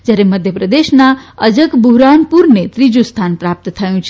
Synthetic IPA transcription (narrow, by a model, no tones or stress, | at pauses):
d͡zaɾeməd̪ʱjəpɾəd̪esnaəd͡zəkbuɦɾanpuɾnet̪ɾid͡ʒust̪ʰanpɾap̚t̪ət̪ʰəjũt͡ʃʰ